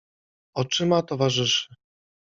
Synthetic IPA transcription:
ɔt͡ʂɘmat̪ɔvaʐɘʂɘ̥

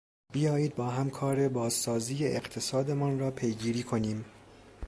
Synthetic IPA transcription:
b̥ijɒːjiːd̪̚bɒːɦæmkʰɒːɾe̞bɒːzːɒːziːjeʔeqt̪ʰe̞sɒːd̪emɒnrɒːpʰe̞jɡiːɾiːkʰoniːm

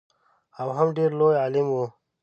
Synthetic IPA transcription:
awɦəmɖeɾlojaːlimwo

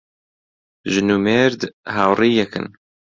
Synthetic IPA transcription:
ʒɨnuːmeːɾd̪ɦaːwriːjɛkɨ̰n

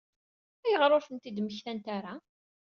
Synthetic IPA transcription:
æjəʁɾˤofənt̪id̪məçθænt̪aɾa

